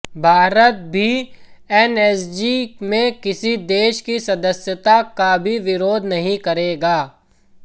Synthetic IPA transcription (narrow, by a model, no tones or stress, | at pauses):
bʱaːɾət̪̚bʱiɛːnɛːsd͡ʒimẽkɪsid̪eːʃkisɐd̪əsjət̪akabʱiʋɪɾoːd̪ʱnɐɦĩkɐɾeːɡaː